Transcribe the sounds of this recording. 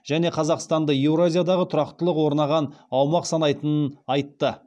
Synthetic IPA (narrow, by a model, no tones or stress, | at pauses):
ʒ̥æne̞qʰɑzɑqst̪ɑnd̪əjewɾoazʲijad̪ɑʁət̪ʰʊɾɑqt̪əlˠəqwo̞ɾnɑʁɑnɑwmɑqsɑnɑjt̪ənənɑjt̪ːə